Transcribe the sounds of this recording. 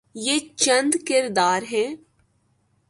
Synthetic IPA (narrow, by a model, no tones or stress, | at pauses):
jeːt͡ʃə̃nd̪kɪɾd̪aːɾɦɛ̃ː